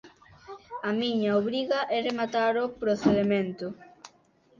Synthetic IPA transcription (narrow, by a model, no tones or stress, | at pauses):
amiɲaoβɾiɣɐʔɛremat̪aɾopɾoθeðemẽnt̪ʊ